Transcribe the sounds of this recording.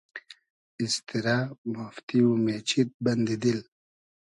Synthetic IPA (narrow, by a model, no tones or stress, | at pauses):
ist̪iɾamuft̪iumet͡ɕʰit̪̚bɐnd̪id̪il